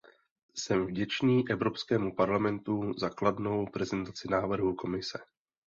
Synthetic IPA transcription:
sɛmvɟɛt͡ʃniːʔɛvɾo̞pskɛːmupaɾlamɛnt̪uzakladno̞wpɾɛzɛnt̪at͡sɪnaːvr̩ɦuko̞mɪsɛ

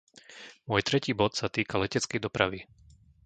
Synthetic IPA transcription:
mʊɔjt̪ɾɛciːbɔt̪sat̪iːkalɛcɛt͡skɛjd̪ɔpɾaʋi

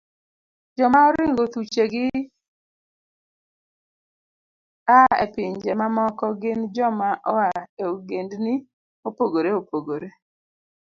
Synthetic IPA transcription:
d͡ʒɔmaɔɾɪŋɡot̪ut͡ʃeɡɪ | aepɪɲd͡ʒemamɔkɔɡɪnd͡ʒɔmaʔɔaeɡendnɪ | opoɡoɾeopoɡoɾe

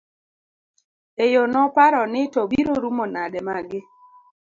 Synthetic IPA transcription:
ejonɔpaɾɔnɪtobiɾoɾumonadɛmaɡɪ

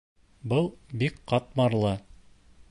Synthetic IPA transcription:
bɤlˠbikqɑt̪̚mɑɾlˠɤ

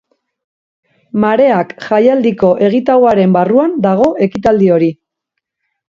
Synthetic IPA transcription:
maɾe̞akʝajald̪iko̞ʔe̞ɣ̞it̪awaɾe̞mbaruand̪aɣ̞o̞ʔe̞kit̪ald̪io̞ɾi

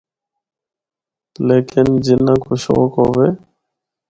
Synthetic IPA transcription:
leːkʰɪnd͡ʒɪnãːkoːʃo̰ːkɦoːʋeː

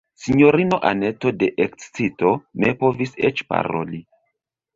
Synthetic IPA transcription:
siɲo̞ɾino̞ʔane̞to̞de̞ʔekst͡sito̞ne̞po̞visḛt͡ʃpa̰ɾo̞̰li

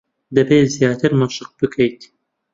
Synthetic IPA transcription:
d̪ɐbeːzjaːt̪ʰɨɾmaʃɨq̚bɨkʰɐjt̪

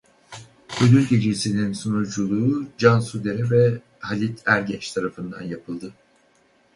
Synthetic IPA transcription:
ød̪yɾʲɟe̞d͡ʒesininsonuɾd͡ʒulˠuːd͡ʒansud̪eɾɛvɛ | halʲit̪ʰæɾɟɛnt͡ʃt̪ʰaɾafɯnd̪a̰njapʰɯlˠd̪ɯ

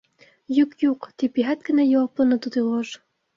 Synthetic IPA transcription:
jykjuqt̪ipiɦæt̪̚kɘ̆næjowɑplˠɤ̆nɤ̆t̪ud̪elɑʒ

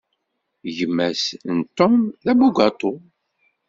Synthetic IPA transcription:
ʝəmːæsnt̪ːomðæbuɡʷɑt̪ˤo

